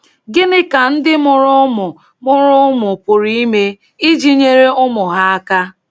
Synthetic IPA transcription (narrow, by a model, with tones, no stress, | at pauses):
ɡɪ˦nɪ˦ka˨n̩˦dɪ˦mʊ˨ɾʊ˦mʊ˨ | mʊ˦ɾʊ˦mʊ˨pʊ˨ɾi˦i˦me˦ | i˦d͡ʒi˦ɲe˦ɾe˦ʊ˦mʊ˨ɦa˦a˦ka˦